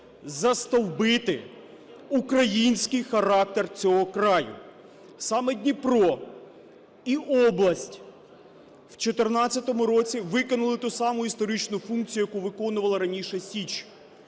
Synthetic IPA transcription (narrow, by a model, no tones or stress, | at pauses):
zɐst̪ɔwbɪt̪ɪ | ukɾɐjinʲsʲkɪjxɐɾɑk̚t̪ert͡sʲɔɦɔkɾɑjʊ̰ | sɑmedʲnʲipɾɔ | iʔɔblˠɐsʲtʲ | wt͡ʃɔt̪ernɑt͡sʲːɐt̪ɔmʊɾɔt͡sʲiʋɪkɔnʊlˠɪt̪usɑmʊist̪ɔɾɪt͡ʃnʊfunk̚t͡sʲijʊjɐkuʋɪkɔnʊʋɐlˠɐɾɐnʲiʃɛsʲit͡ʃ